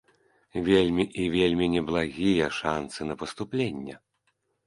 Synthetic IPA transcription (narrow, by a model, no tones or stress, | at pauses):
vʲelʲmʲiʔivʲelʲmʲinʲɛblˠaɣʲijɛʂansɨnɐpɐst̪uplʲenʲːɛ